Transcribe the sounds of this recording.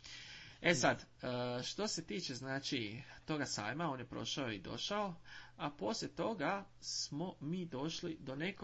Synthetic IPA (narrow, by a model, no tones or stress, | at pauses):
esad̪əʃt̪o̞se̞t̪iːt͡ʃe̞znaːt͡ʃit̪o̞ɡasa̰ːjmaoːnje̞pɾo̞̰ʃaoid̪o̞̰ʃaoapo̞slʲet̪o̞ɡa | smo̞miːd̪o̞ʃlid̪o̞ne̞k